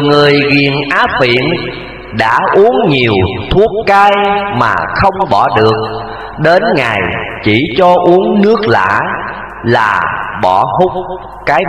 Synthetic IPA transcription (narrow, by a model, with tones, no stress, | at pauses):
ŋɨ˨˩əjɣi˨˩ənʔaː˨˦fḭ˧˨ən | ɗa̰ː˧˥ʔu˨˦əŋɲi˨˩əwt̪ʰu˦˥əp̚kaː˧jma̰ː˨˩xə˧wŋ͡mɓɔ˧˩ɗɨ˨˩ək̚ | ɗe˨˦nŋa˨˩jt͡ɕi˧˩t͡ɕɔ˧ʔu˨˦əŋnɨ˦˥ək̚la̰ː˧˥ | laː˨˩ɓɔ˧˩hʊ˦˥k͡p̚ | kaː˨˦j